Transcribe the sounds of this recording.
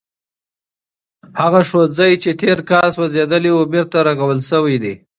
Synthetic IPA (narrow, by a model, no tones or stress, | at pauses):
haɣaʂozajt͡ʃet̪ʰeɾkɑswazed̪əliʊmiɾt̪aɾaɣawəlsəwijd̪i